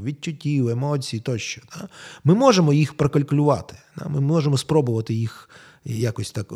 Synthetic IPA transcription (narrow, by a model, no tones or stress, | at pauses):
ʋʲid̚t͡ʃʲːʊtʲiwemɔt͡sʲijit̪ɔʃt͡ʃɔ̥d̪̥amɪmɔʒemɔjixpɾɐkɐlʲkʊlʲʊʋɑ̰t̪ɪ̥d̪̥a̰mɪɔʒemɔspɾɔbʊʋɐt̪ɪjix | jakɔsʲt̪ak